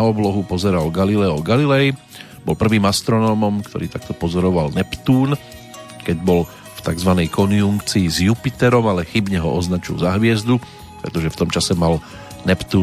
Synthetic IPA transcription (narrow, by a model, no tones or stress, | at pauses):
aɔblɔɦupɔzɛɾalɡalilɛɔɡalilɛj | bɔlpr̩ʋiːmast̪ɾɔnɔːmɔmkt̪ɔ̰ɾiːt̪ak̚t̪ɔpɔzɔɾɔʋalnɛpt̪uːn | kɛɟbɔl | ft̪aɡzʋanɛjkɔnjuŋkt͡siːzjupit̪ɛɾɔmalɛxibɲɛɦɔʔɔznat͡ʃḭlzaɦʋɪɛzd̪u | pɾɛt̪ɔʒɛft̪ɔmt͡ʃasɛmal | nɛpt̪uː